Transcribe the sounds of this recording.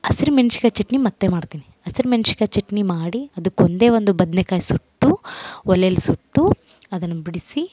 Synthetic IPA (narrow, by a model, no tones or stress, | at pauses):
ɐsiɾmenʂi̥kɐt͡ʃeʈnimɐt̪ːemaːɽt̪iːni | ɐsiɾmenʃi̥kɐt͡ʃeʈnimaːɽiɐd̪ɐkːond̪e̞ːʋond̪ubɐd̪nekaːjisuʈːuɔlejɐlːisuʈːu | ɐd̪ɐnːɐbiɽisi